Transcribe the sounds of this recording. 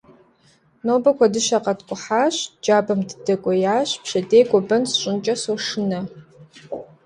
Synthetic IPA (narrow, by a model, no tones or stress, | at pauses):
noːbɐkʷʰɐdɨʃaqʼɐtkʷʼʊħaɕd͡ʒaːbɐmddɐkʷʼɔjaːɕpʰʃɐdejɡʷʼɔbɐnsɕʷʼɨnt͡ʃʼɐsoʂɨnɐ